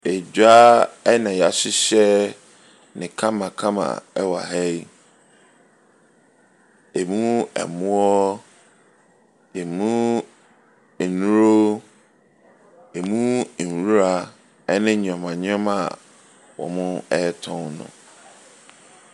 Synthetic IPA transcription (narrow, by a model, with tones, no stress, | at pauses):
e˨d͡ʑa˦ɛ˦nã˨jɛ˨a˨ɕɪ˦ɕɛ˦ | nɪ̃˨kʰã˦mã˨kʰã˦mã̰˨ɛ˦wa̰˨ɦɛ˦i˦ | e˨mũ˦ɛ̰˨mũ˦ɔ˦ | e˨mũ˦˨ | nũ˦ɾo˦ | e˨mũ˦˨n̩˨wu˦ɾa˨ | ɛ˦nɪ̃˦ɲ˨ã˨mã˨ɲã˦ma̰˨ | wɔ̰˨mʊ̃˦ɛ˦tʰɔ̃˦nnʊ̰̃˨